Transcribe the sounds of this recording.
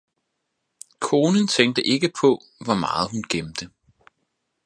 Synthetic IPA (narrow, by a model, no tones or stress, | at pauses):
kʰo̝ːnənt͡sʰeŋ̰ɡ̚d̥əʔe̝ɡ̥əpʰɒ̽ | ʋɒmɑ̈ːð̞̩ˠɦunɡ̥emd̥ə